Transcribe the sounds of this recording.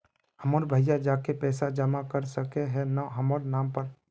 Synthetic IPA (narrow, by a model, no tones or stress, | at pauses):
həməɾbʱəjad͡ʒaːkepɛːsad͡ʒəmakəɾsəkeɦɛnaɦəməɾnaːmpəɾ